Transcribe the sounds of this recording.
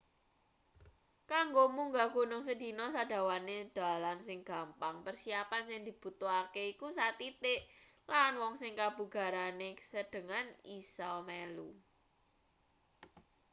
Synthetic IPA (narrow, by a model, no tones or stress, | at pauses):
kaŋɡomuŋɡaɡ̥o̤nʊŋsəd̪̥i̤nɔsad̪̥ä̤waned̪̥a̤lansɪŋɡ̥a̤mpaŋpərsiapansɪŋd̪̥i̤b̥ṳt̪oakeikusat̪it̪ɪʔ | lanwɔŋsɪŋkab̥ṳɡ̥a̤ɾanesəɖ̪̥ə̤ŋanisɔmelu